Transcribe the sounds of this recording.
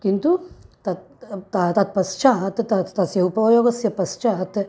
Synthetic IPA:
kint̪ut̪ɐt̪ | t̪at̪ɐt̪̚pɐst͡ʃʰat̪t̪ɐtt̪ɐsjɐupɐjoːɡɐsjɐpɐst͡ʃʰaːt̪

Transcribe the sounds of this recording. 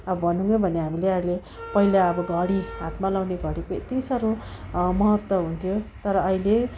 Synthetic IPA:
ʌbʌbʱʌnuŋɡʌbʱʌneɦamileʌile | pʌilaʌbʌɡʱʌɽiɦat̪malawneɡʌɽikoḛt̪isaɾomʌɦʌt̪wʌɦunt̪ʰjot̪ʌɾʌːile

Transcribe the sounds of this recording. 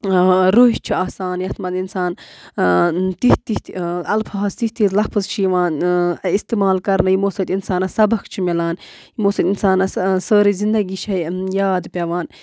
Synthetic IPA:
ɾoːɦit͡ʃʰiaːsaːnjɐt̪ʰmɐt̪insaːn | t̪iht̪it̪ɐlpʰaːzt̪iht̪it̪lɐpʰɨzt͡ʃʰijʋaːnist̪eːmaːlkɐɾnɨjimoːsɐt̪insaːnɐsɐbɐkt͡ʃʰimilaːnjimoːsɐt̪insaːnɐssəːɾizind̪ɐɡiːʃʰɐjjaːd̪pʲɐʋaːn

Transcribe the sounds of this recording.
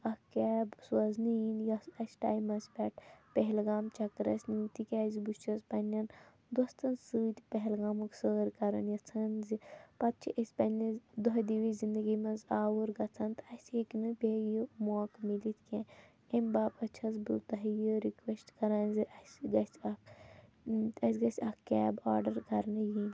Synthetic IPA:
ɐhkʲɛːbswɐzninjɐsɐsʈa̰ːjmɐspʲɛʈpeɦlɡaːmt͡ʃɐkɾɐ̰sʲnit̪ikʲaːzibust͡ʃʰɐzpɐnʲɐn | d̪ɐst̪ɐnsɨːt̪peɦelɡaːmɨksəːɾkɐɾɐ̰njɐt͡sʰɐnzipɐt̪̚t͡ʃʰiʔɐsʲpɐnʲɐzd̪oɦd̪iʋizind̪ɐɡimɐ̃nzaːʋuɾɡɐt͡sʰɐnt̪ɐsʲieknɨbʲeːjumoːkmilit̪ʰkʲẽ | embaːbɐt͡ʃʰɐzbɨ̰t̪ɐɦɐjɨɾikʋesʈkɐɾaːnziʔɐsʲiɡɐsɐk | ɐsʲɡɐsʲɐkkːʲɛːbaːɾɖɐɾkɐɾnji

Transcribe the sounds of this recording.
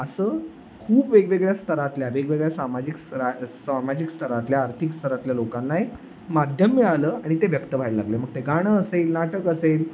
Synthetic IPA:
əsəː | kʰuːpʋeɡʋeɡɭjast̪ʰəɾat̪ljaʋeɡʋeɡɭjasamad͡ʑikstəɾasamad͡ʑikst̪ʰəɾat̪ljaːɾt̪ʰikst̪ʰəɾat̪ljalokanːaj | mad̪ʱjəmːiɭaləːaɽ̃it̪eʋjəkt̪əʋ̤ʱajləlaɡleməɡ̚t̪eɡaɽ̃əəselnaʈəkəsel

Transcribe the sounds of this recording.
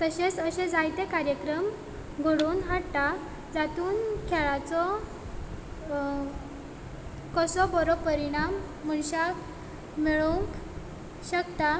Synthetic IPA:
t̪əɕet͡səɕed͡zajt̪ekaɾjəkɾəm | ɡʱoɽuːnɦaɽt̪a | d͡zat̪uːnkʰɛɭat͡sɔ | kəsɔbɔɾɔpəɾiɽ̃amː | əɳɕak | miɭuŋk | ɕəkt̪a

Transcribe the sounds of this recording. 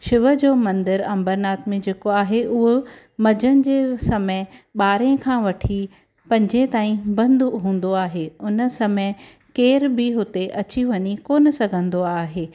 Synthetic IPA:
ʃɪʋəd͡ʑoːmɐ̃nd̪əɾɐ̃mbəɾnaːt̪mẽd͡ʑeːkoaːɦeʔʊɦo | mɐd͡ʑənɪ̆d͡ʑeːsɐməɪɓaːɾẽkʰãːʋɐʈʰi | pɐ̃ɲd͡ʑẽt̪aːĩbɐ̃nd̪ɦũːnd̪oaːɦeʊnə̆sɐmə | keːɾbɪɦʊt̪eʔɐt͡ɕiʋɐɲikoːn̆sɐɡʱə̃nd̪oaːɦeː

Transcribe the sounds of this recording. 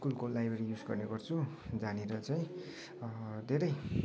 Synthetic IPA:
kulkolajbʱeɾijud͡zɡʌ̰rneɡʌrt͡sʰu | d͡zaneɾʌt͡saj̃ | d̪ʱeɾʌj

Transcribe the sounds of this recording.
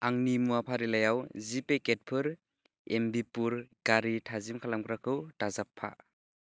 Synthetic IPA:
aŋnimuapʰaɾilajawzipeket̚pʰɯɾ | embipuɾɡaɾitʰazimkʰalamkɾakʰɯwtazapʰːa̰

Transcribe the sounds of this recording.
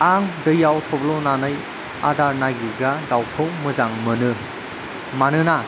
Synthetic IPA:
aŋdɯjawtʰɔblɔnanɯj | a̰daɾnaɡiɡadawpʰɯwmɯzaŋmɯnɯ | manɯna

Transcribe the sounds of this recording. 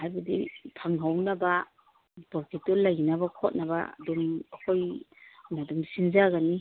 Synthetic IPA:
hajbadḭpʰaŋɦawnaba | bɔɾkʰetɔllajinabakʰɔt̚naba̰dumakʰojnadumsinzaɡani

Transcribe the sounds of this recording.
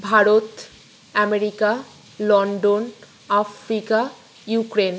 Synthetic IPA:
bʱaɾot̪ | ɛmeɾika | lɔɳɖon | afɾika | jukɾen

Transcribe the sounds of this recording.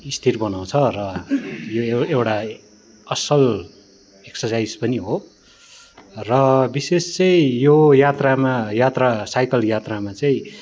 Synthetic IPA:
ist̪ʰirbʌnaw̃t͡sʰʌrʌjoewʈa | ʌsʌl | eksʌsajd͡zpʌniɦo | rʌbisest͡sʌj̃jojat̪ramajat̪rasajkʌljat̪ramat͡saĩ

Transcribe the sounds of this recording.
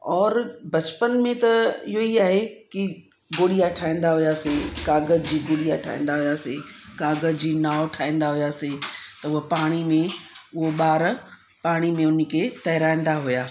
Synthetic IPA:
ɔːɾbɐt͡ɕpənmẽt̪ɐɪɦoiaːɦeki | ɡoːɽijaʈʰaːĩːn̆d̪aɦʊjaːsekaːɡəzd͡ʑiːɡoːɽijaːʈʰa̰ːḭ̃ːn̆d̪aɦʊjaːsekaːɡəzd͡ʑiːnaːoʈʰaːĩːn̆d̪aɦujaːset̪ɐʊɦapaːɽ̃imẽʊɦoɓaːɾ | paːɽ̃imẽʊnkʰeːt̪ɐɦɪɾaːĩːnd̪aɦujaː

